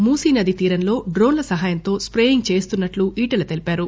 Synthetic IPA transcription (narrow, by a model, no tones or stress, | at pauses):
muːsiːnɐd̪it̪iːɾɐnlo̞ːɖɾo̞ːnlɐsɐɦaːjɐnt̪o̞ːspɾeːiŋɡ̚t͡ʃe̞ːst̪unːɐʈluʔiːʈɐlɐt̪e̞lipaːɾu